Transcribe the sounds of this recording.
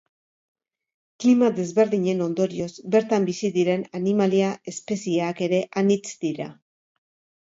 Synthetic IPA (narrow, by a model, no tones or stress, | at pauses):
klimaðe̞zβe̞ɾðiɲe̞no̞nd̪o̞ɾio̞zbe̞ɾt̪ambisiðiɾe̞nanimaliae̞spe̞siake̞ɾe̞ʔanit͡sd̪̥iɾa̰